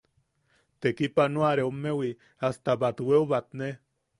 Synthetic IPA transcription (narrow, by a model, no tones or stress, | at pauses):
t̪ekipanuaɾeomːewi | ast̪abat̪weoβat̪̚ne